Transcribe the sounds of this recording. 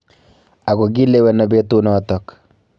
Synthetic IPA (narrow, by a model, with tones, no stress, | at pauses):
a˨ɡo˨ɡi˦le˦wɛ˨nɔ˨be˦t̪u˦nɔ˨tɔ˨k